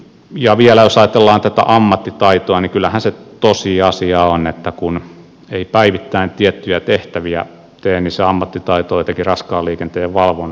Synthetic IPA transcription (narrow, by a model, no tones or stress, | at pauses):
jɑʋielæjosɑjɑt̪elːɑːnt̪æt̪æ̰ʔɑmːɑt̪ːit̪ɑit̪oɑnikylːæhænset̪osiɑsiɑonet̪ːækun | eipæiʋit̪ːæint̪iet̪ːyjæt̪eht̪æʋiæ̰ | t̪eːnniseɑmːɑt̪ːit̪ɑit̪oːt̪ekirɑskɑːliːkent̪eːʋɑlʋon